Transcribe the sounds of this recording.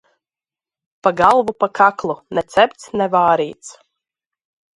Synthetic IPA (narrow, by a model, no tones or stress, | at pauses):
paɡalˠvupakʰaklˠunɛt̪sʲɛpʲt̪snɛvaːɾiːt̪s